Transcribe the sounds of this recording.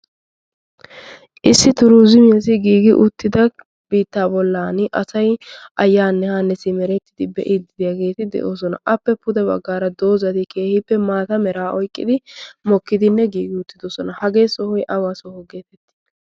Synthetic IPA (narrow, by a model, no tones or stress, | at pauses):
ʔɪsːɪt̪ʊɾuːzɪmɪjɐsɪɡiːɡɪʔʊt̪ːɪd̪ɐ | b̥iːt̪ːaːbɔlːaːnʔɐsɐjʔɐjːaːnːɛhaːnːɛsɪmɛɾɛt̪ːɪ̥d̪ɪbɛ̰ʔɪd̪ɪd̪ɪjaːɡe̞ːt̪ɪd̪ɛ̰ʔo̞ːs̬ɔnɐ̰ʔɐpːɛpʊd̪ɛbɐ̰ɡːaːɾɐd̪o̞ːzɐt̪ɪkʰe̞ːhɪpːɛmaːt̪ɐmɛɾaːʔɔjkʼːɪd̪ɪmɔkːɪd̪ɪnːɛɡiːɡɪʊt̪ːɪd̪oːsɔnɐhɐɡe̞ːsɔhɔjʔɐwaːsɔhɔɡe̞ːt̪ɛt̪ːɪ̥